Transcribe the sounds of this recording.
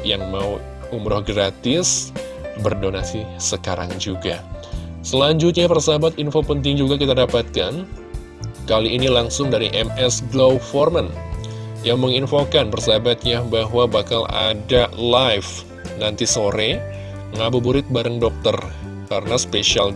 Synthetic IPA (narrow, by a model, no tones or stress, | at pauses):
jaŋmau | umɾɔhɡɾat̪ɪs | bərdonasisəkaɾa̰ŋd͡ʒuɡasəlaɲd͡ʒʊt̪̬̚ɲapərsabat̪infopənt̪̬ɪŋd͡ʒuɡakit̪adapat̪̚kan | kaliːnilaŋsʊŋdaɾḭʔɛmɛsɡlowfɔrmən | jaŋməŋinfokanpərsaabat̪̚ɲabaɦwabakala̰dalajf | nant̪isoɾɛ | ŋabubuɾɪt̪̚baɾəŋdɔk̚t̪ər | kaɾənaspeʃial